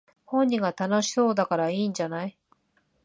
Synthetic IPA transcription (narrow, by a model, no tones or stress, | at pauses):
hõ̞ɲ̟ːĩɡat̪ano̞ɕi̥so̞ːd̪akaɾaiːɲd͡ʑanai